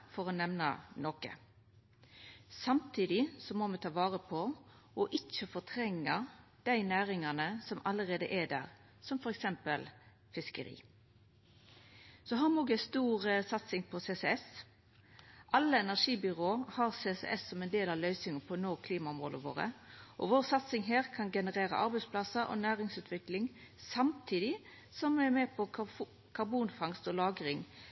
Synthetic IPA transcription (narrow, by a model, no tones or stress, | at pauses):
fɔʁɔnɛʋnə̰nokə̰ | sɑmt̪ʰiːd̪ɪsɔmɔmɛt̪ʰɑːʋɑːʁəpʰɔ | ɔʔɪc͡çəfɔt̪ʰɾɛŋːəd̪̥æɪnæːʁɪŋɑnəsɔmʔɑləʁeːd̪əʔæd̪æ̰ːʁ | sɔmfɔɾɛksɛmpəl | fɪskəɾḭː | sɔɦɑmnɔɡæst̪uːʁəsɑt̪sɪŋpʰɔsesɛɛs | ʔɑlːəɛnæʂiːbʏʁoːhɑʁsesɛ̰ʔɛsːɔmɛnd̪eːlɑʋlœʏsɪŋəpʰɔnoːkʰliːmɑɔmʁo̰ːləʋo̰ːʁə̰ʔɔ̰ʋoːʁsɑt̪sɪŋɦeːʁkʰɑnɡɛnəʁeːɾə̰ʔɑɾbɛɪspʰlɑsəʔɔ̰næːʁɪŋsʉːt̪ʋɪklɪŋ | sɑmt̪ʰiːd̪ɪ | sɔmɛmɛpʰɔ | kʰɑɾbuːnfɑŋst̪ɔlɑːɡʁɪŋ